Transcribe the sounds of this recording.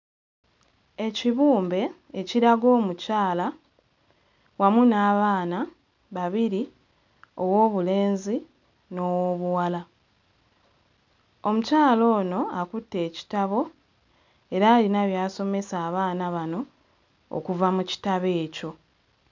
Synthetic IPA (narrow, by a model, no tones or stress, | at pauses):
e̞ciβuːmbe̞ː | ciɾaɡo̞ːmucaːla | wamunaːβaːna | βaβiɾi | o̞wo̞ːβule̞ːnzi | no̞ːwoβuwala | o̞mucaːlo̞ːno̞akutːe̞ːci̥taβo̞ | e̞ɾaːlinaβjaːso̞me̞saːβaːnaβano̞̰ː | kuvamuci̥taβe̞ːco̞